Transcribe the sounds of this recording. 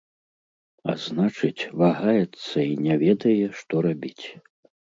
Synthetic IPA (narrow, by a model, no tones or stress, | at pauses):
a̰znat͡ʂɨt͡sʲvaɣajɛt̪sːɐinʲɛvʲɛd̪ɐjɛʂt̪ɔɾabʲit͡sʲ